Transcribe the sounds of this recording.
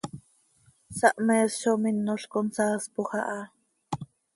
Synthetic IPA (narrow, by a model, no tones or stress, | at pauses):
sɑʔmɛːsʃominːoɬkonsaːspoxɑ̰ʔɑ